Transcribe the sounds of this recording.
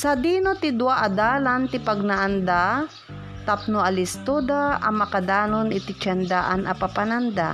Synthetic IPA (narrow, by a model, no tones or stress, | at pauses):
sɐd̪iːnot̪ɪd̪waʔad̪aːlant̪ɪpɐɡ̚naʔand̪a | t̪ap̚noɐlɪst̪od̪aʔɐmɐkad̪aːnonɪt̪ɪt͡ʃɛnd̪aʔanʔɐpapanand̪a̰